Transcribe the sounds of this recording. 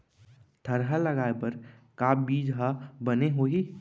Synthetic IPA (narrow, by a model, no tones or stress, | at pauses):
d̪̥ʱəɾɦələɡaːebəɾ | kaːbiːd͡ʒɦabəneɦoːɦiː